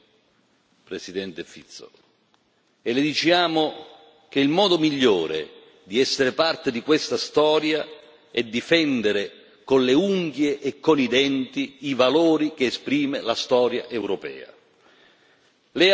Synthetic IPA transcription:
pɾesid̪ɛnt̪efit̪sːo̰ | elɪd̪it͡ʃjaːmʊ | k̟eilmɔːd̪omiʎːoːɾḛ | d̪iɛsːeɾepart̪ed̪ikwest̪ast̪ɔːɾja | ɛd̪ːifɛnd̪eɾe | konleuŋɡjeʔekːonid̪ɛnt̪iivaloːɾik̟eːspɾiːmelast̪ɔːɾja̰ʔewɾopɛ̰ːa̰ | lɛ

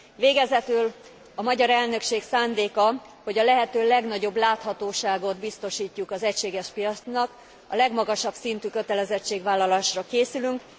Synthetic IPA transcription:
veːɡɛzɛt̪yl | ɒmɒɟɒɾɛlnø̞kʃeːksaːnd̪eːkɒ | ho̞ɟɒlɛɦɛt̪øːlɛɡnɒɟo̞blaːt̪hɒt̪oːʃaːɡo̞d̪bist̪o̞ʃiːcːukɒzɛcʃeːɡɛʃpijɒt̪snɒk | ɒ̰lɛɡmɒɡɒʃɒbsint̪yːkø̞t̪ɛlɛzɛt͡ʃːeːɡvaːlːɒlaːʃrɒkeːsylyŋk

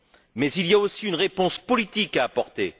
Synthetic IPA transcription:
mɛzilijaosiynʁepɔ̃spɔlit̪ikaːpɔʁt̪ḛ

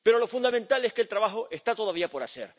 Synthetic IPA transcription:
pe̞ɾo̞lo̞fund̪ament̪aleskeːlt̪ɾaβaxo̞ʔe̞st̪at̪o̞ðaβiapo̞ɾase̞̰ɾ

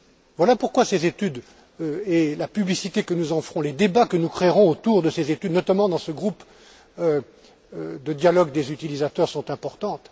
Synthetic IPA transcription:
vwalapuʁkwasezet̪yd̪ | øelapyblisit̪ekənuzɑ̃fχɔ̃led̪ebakənukχeʁɔ̃ot̪uʁd̪əsezet̪yd̪nɔt̪amɑ̃d̪ɑ̃səɡʁup | ø | d̪əd̪jalɔɡd̪ezyt̪ilizat̪œʁsɔ̃t̪ɛ̃pɔʁt̪ɑ̃t̪

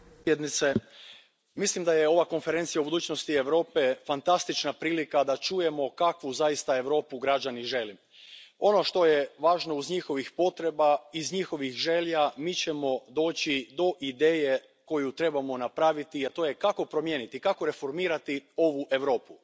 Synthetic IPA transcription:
jed̪nit̪se | mislimd̪ajeo̞ʋako̞nfeɾe̞nt̪sijaubud̪uːt͡ɕno̞st̪ie̞ʋɾo̞ːpe̞fant̪ast̪it͡ʃnapɾiːlikad̪at͡ʃuje̞mo̞kakʋuzajist̪ae̞ʋɾo̞ːpuɡɾad͡ʑaniʒe̞lim | o̞no̞ʃt̪o̞jeʋaːʒno̞uzɲixo̞ʋixpo̞t̪ɾe̞baizɲixo̞ʋixʒe̞ʎamiːt͡ɕe̞mo̞d̪o̞ːt͡ɕid̪o̞ʔid̪e̞ːje̞ | ko̞jut̪ɾe̞bamo̞napɾaʋit̪iat̪o̞jekako̞pɾo̞mje̞ːnit̪ikako̞ɾe̞fo̞ɾmiːɾat̪io̞ʋuʔe̞ʋɾo̞ːpu

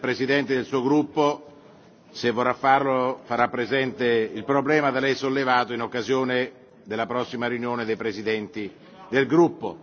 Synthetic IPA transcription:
pɾezid̪ɛnt̪ed̪elsuːoɡɾupːo | sevːorːafːarlofaɾapːɾezɛnt̪eilpɾoblɛːmad̪elɛjsolːevaːt̪oinokːazjoːne | d̪elːapɾɔsːimaɾjunjoːned̪ejpɾezid̪ɛnt̪i | d̪elɡɾupːo

